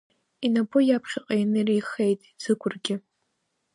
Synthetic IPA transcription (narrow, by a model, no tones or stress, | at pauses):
inabʊjapʰχʲaqʼajanɨrijχejtʼiz̥ɨkʷʰʼʊrɡʲɪ